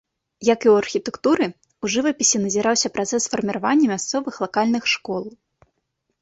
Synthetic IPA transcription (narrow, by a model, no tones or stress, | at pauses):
jɐkiwɐrxʲit̪ɛkt̪uɾɨ | uʐɨvɐpʲisʲinɐzʲiɾawsʲɐpɾat̪sɛsfɐrmʲiɾavanʲːɐmʲast̪sɔvɨxlˠakalʲnɨxʂkɔlˠ